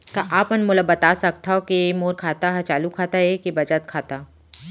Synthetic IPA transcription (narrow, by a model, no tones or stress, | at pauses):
kaʔaːpənmʊləbɐt̪asɐk̚t̪ʰaɦokimoːɾkʰaːt̪aɦat͡ʃaːlukʰaːt̪aɦekibɐd͡ʒət̪kʰaːt̪aː